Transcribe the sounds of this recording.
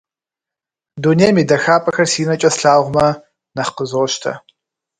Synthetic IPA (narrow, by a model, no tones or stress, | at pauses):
dunemiːdɐxaːpʼɐxɐrsiːnɐt͡ʃʼɐsɬaːʁʷmɐ | nɐχqəzoːʃtʰɐ̰